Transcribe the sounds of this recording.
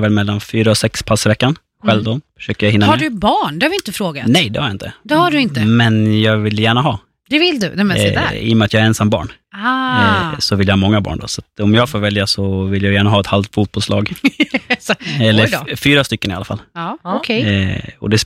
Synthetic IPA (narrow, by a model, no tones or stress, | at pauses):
vɛlmɛlːanfyːɾaɔsɛkspʰasːɪvɛkːan | ɧɛlvd̪onfœ̥ʂøːkəɾjahɪnːahaɖɵbɑːɳd̪ɛhavɪɪnt̪əfɾoːɡanɛjd̪ɛ̰haɾjaɪnt̪əd̪ɛhaɖʉɪnt̪mɛnjɑːɡvɪlːjæːɳaɦɑː | d̪ɛvɪld̪ɵnɛmɛɪ̰jɔmɛat̪jɑɛɾɛnsamːbɑ̰ːɳ | sɔvɪljahɑːmɔŋːabɑ̰ːɳɖɔ̰sat̪ɔmjɑːɡfoːɾvɛljasɔvɪljaɡjæːɳaɦɑːɛt̪halft̪fuːt̪̚bɔlslɑ̰ːɡ | ɛlːəɾfyːɾast̪ʏkːənɪalːafa̰lːɔkʰɛjɔ̰d̪ɛs